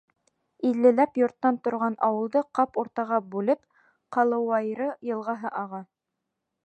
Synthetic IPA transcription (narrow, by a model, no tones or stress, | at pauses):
ilːɘ̆læpjŏɾt̪ːɑnt̪ŏɾʁɑnʔɑwɤ̆lˠd̪ɤqɑpuɾt̪ɑʁɑbʉlɘp | qɑlˠɤ̆wɑjɾɤjɤ̆lˠʁɑɦɤʔɑʁɑ